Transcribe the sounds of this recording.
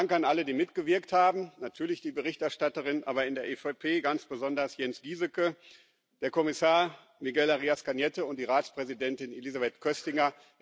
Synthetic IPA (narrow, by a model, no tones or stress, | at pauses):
aŋkanʔalədiːmɪtɡ̥əvɪɐkthaːbm̩natʰyːɐlɪçd̥iːbəʁɪçtɛɐʃtatəʁɪnʔa̰ːbɐɪndeːɐʔɛfɛpʰeːɡant͡sb̥əzɔndɐsjɛnsɡ̥iːzəkə | d̥eːɐkʰɔmɪsaːɐ | miɡɛlaʁiːaskanjɛtəʊntd̥iːʁaːt͡spʁ̥ɛzidɛntɪnelizabɛtkʰœstɪŋɐ